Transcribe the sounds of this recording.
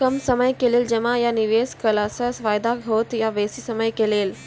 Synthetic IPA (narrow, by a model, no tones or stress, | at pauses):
kəmsəməjkeːleːld͡ʒɐmãjaniʋeːskəlaːsəsʋaːjd̪aɡʱoːt̪jaʋeːsisəməjkeleːl